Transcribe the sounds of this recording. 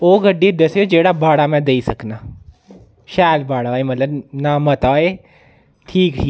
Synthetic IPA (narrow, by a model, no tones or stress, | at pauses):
oːɡəɖːid̪əseoːd͡ʒeːɽaːbaːɽaːmɛ̃ːd̪eisəknaː | ʃaːlbaːɽaemət̪ləbnaːmət̪aːeː | ʈʰiːki